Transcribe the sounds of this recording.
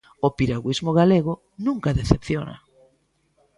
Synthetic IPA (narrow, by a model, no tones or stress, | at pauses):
opiɾaɣwizmoɣaleɣʊ | nũŋkaðeθepθjonɐ̰